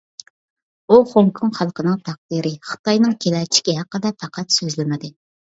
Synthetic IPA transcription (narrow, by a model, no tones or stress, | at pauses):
uχoŋkʰuŋχɑlˠqʰənɨŋt̪ʰɑq̚d̪iɾɪχə̥t̪ɑjnɨŋkʲʰelɛt͡ʃʰi̥kʲiɦæqːəd̪ɛpʰæqʰɑt̪søzlɪmɪd̪ɪ